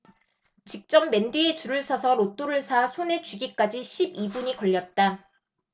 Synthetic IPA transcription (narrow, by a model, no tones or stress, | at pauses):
t͡ɕik̚t͡ɕ͈ʌmːe̞ndiet͡ɕuɾɯɭsʰʌsʰʌɾot͈oɾɯɭsʰasʰone̞t͡ɕiɡik͈ad͡ʑiɕʰibibuɲikʌʎːʌt̚t͈a